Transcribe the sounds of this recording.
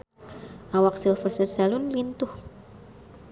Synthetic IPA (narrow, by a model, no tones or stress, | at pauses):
ʔawak̚silfərsəsalʊnlint̪ʊh